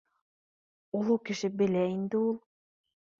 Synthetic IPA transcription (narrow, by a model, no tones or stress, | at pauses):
ulˠukɘ̆ʃɘbɘ̆læind̪ɘulˠ